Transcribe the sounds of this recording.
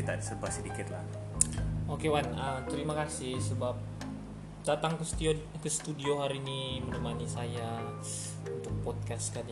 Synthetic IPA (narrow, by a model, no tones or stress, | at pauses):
it̪adisərbasədikɪt̪la | okewanəmt̪əɾimakasɪhsəbap̚ | d̥at̪aŋkəst̪iokəsə̥t̪udioɦaɾiːnimənəmanisaja | unt̪ʊk̚pɔd̪̚kaskad͡ʒ